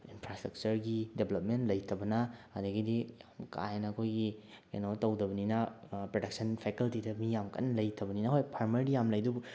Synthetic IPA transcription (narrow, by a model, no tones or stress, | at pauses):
inpʰɾastɾɐk̚t͡ʃɐɾɡideblɐp̚mentlɐjtʰɐbɐnɐːdɐɡidijamka̰jnɐɐkʰojɡikɐnowtɐwdɐbɐninɐpɾodɐk̚sɐnpʰekɐltidɐmijamkʰɐ̰nlɐjtʰɐbɐninɐɦojpʰaɾmɐɾdijamlɐjdubu